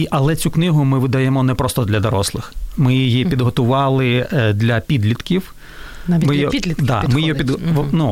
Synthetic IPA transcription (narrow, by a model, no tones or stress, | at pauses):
iʔɐlˠɛt͡sʲuknɪɦʊmɪʋɪd̪ɐjɛmɔnɛpɾɔst̪ɔd̪lʲɐd̪ɔɾɔslˠɪxmɪjijipʲid̪ɦɔt̪ʊʋɑlˠɪd̪lʲɐpʲid̪lʲit̪kʲiw | mɪj̪ʲid̪ɑ̰mɪjɔpʲid̪nu